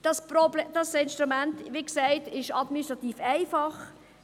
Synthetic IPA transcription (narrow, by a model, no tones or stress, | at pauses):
d̥ɑspɾɔbld̥ɑsɪnʃt̪ɾumæntʋiksæɪtɪʃɑdminisʃtɾɑt̪iːfæɪfɑχ